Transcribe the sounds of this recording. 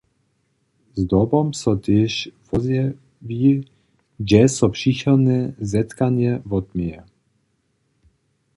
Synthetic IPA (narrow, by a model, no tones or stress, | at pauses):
zd̪ɔbɔmsɔt̪ɛʃvɔzjɛ | vi | d͡ʒɛsɔpʂixɔnɛzɛt̪kaɲjɛvɔd̪mjɛ